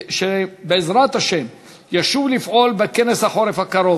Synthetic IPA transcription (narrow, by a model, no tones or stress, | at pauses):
ʃebeːzɾat̪haʃem | jaʃuvlifʔo̞lbekeneshaχo̞ɾefhakaɾo̞